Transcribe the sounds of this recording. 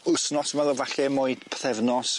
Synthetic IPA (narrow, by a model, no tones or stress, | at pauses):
ʊsnɔsmɛlˠɔvaɬɛmʊɨd̥pʰθɛvnɔs